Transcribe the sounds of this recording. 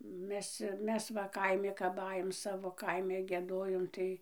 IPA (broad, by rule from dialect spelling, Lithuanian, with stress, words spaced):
ˈmʲɛs ˈmʲɛs ʋɐ ˈkɐɪmʲɪ kɐp ˈɑːjoːm ˈsɑːʋoː ˈkɐɪmʲɛ ɡʲiɛˈdoːjoːm tɐɪ